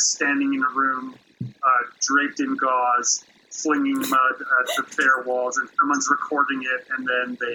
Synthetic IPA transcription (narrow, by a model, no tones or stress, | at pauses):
stæ̃ndɪ̃ŋɨ̃nəɹʉ̃m | dɹeɪp̚tɨ̃nɡɔz̥ | flɪ̃ŋɪ̃ŋmʌdət̪̚ðɨfɛɹwɔlˠzɨ̃nsʌ̃mwʌ̃nzɹəkʰɔɹɾɪ̃ŋɪt̚ɨ̃nðɨ̃nðeɪ